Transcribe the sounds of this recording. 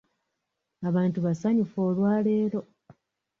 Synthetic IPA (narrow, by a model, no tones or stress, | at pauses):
aβaːntuβasaɲifo̞ːlwaːle̞ːɾo̞